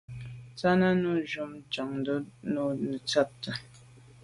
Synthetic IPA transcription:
t͡sa˦na˦nu˦ʒu˦mt͡ʃa˨ŋdo˦nu˦nə˨t͡sa˦p̚tə˨

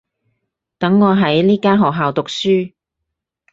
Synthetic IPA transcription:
t̪ɐ˨˥ŋːɔː˨˧ɦɐ˨˥jliː˥kaː˥nɦɔː˨k̚ɦaː˨wt̪ʊ˨k̚syː˥

